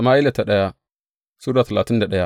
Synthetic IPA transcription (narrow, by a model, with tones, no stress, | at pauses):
ma˦i˦la˨ta˨ɗa˦ja˦ | su˦ɾa˦˨ta˨la˨ti˦nda˨ɗa˦ja˦